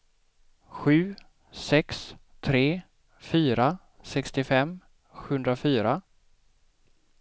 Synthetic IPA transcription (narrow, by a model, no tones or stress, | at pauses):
ɧʉ̟ː | sɛks | t̪ʰɾeː | fyːɾa | sɛkst̪ɪfɛm | ɧɵnd̪ɾafyːɾa